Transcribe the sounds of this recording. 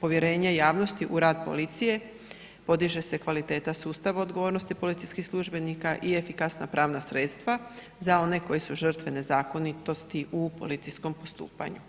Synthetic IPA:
po̞ʋje̞ɾe̞ːɲejaːʋno̞st̪iʔuɾaːd̪po̞̰lit̪sije̞ | po̞d̪iʒe̞se̞kʋalit̪e̞ːt̪asuːst̪aʋao̞d̪ɡo̞ʋo̞ːɾnost̪ipo̞lit̪iskixslˠuʒbe̞nikaʔiefikasna̰pɾʔaːʋnasɾe̞t̪st̪ʋa | zao̞ne̞ko̞jesuʒr̩t̪ʋe̞ne̞zaːko̞nit̪o̞st̪iʔupo̞̰lit̪sisko̞mpo̞st̪ṵːpa̰ɲu

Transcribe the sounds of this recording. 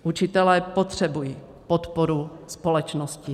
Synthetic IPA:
ʔut͡ʃɪt̪ɛlɛːpot̪r̝̥ɛbujiː | pot̪poɾuspo̞lɛt͡ʃnoscɪ

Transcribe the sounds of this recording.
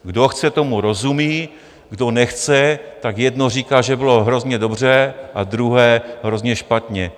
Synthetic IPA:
ɡdo̞xt͡sɛt̪o̞muɾo̞zumiː | ɡdonɛxt͡sɛt̪akjɛdno̞riːkaːʒɛbɪlo̞ɦɾo̞zɲɛdo̞br̝ɛːʔad̪ɾuɦɛːɦɾo̞zɲɛʃpat̪ɲɛ

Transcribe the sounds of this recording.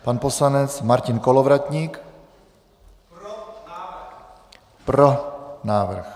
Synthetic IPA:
panposlanɛt͡smaɾcɪnkolovɾat̪ɲiːk | pɾonaːvr̩x

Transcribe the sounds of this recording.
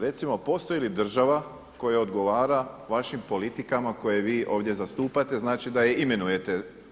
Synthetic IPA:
ɾe̞t̪simo̞po̞st̪oilid̪r̩ʒaʋa | ko̞jaod̪ɡo̞ʋaːɾaʋaʃimpo̞lit̪ikamako̞jeʋiːʔo̞ːʋd̪je̞zast̪uːpat̪e̞znaːt͡ʃid̪aje̞ʔime̞nuje̞t̪e̞

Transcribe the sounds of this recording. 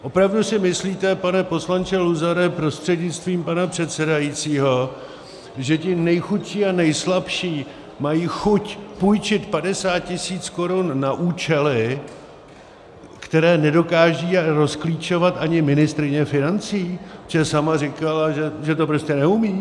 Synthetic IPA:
ʔo̞pɾavdusɪmɪsliːt̪ɛpanɛpo̞slant͡ʃɛluzaɾɛpɾo̞st̪r̥ɛdɲɪt͡st̪viːmpanapr̝̥ɛt̪sɛdajit͡siːɦo̞ | ʒɛcɪnɛjxut̪ʃiːanɛjslapʃiː | majiːxucpujt͡ʃɪt̪padɛsaːt̪̚cɪsiːt͡sko̞ɾunːaʔuːt͡ʃɛlɪ | kt̪ɛɾɛːnɛdo̞kaːʒiːɾo̞skliːt͡ʃo̞vat̪ʔaɲɪmɪnɪst̪ɾɪɲɛfɪnant͡siːt͡ʃɛsamarɪkalaʒɛʒɛt̪o̞pɾo̞scɛnɛumiː

